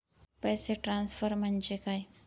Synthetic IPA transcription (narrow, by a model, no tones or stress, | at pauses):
pɐjseʈɾãːnsfəɾmɐnt͡ʃekaj